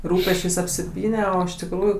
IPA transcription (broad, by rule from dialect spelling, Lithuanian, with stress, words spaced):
ˈruːpʲɛsʲt͡ʃʲeːsʲ ɐpʲsʲɪˈpʲiːnʲɛ oː ɪʃ tʲɪkˈruːjʊ